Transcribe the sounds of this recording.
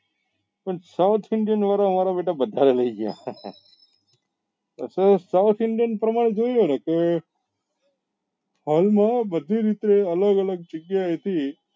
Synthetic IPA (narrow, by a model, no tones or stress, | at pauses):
pəɳsawt̪ʰɪɳɖijənʋaɾaəmaɾabeʈabəd̪ʱaɾeləiɡja̰ | ə̰sesaʊt̪ʰɪɳɖijənpɾəmaɽ̃ed͡ʒoijoneke | halmãbəd̪ʱiɾit̪eələɡələɡ̚d͡ʒəɡjaɦət̪i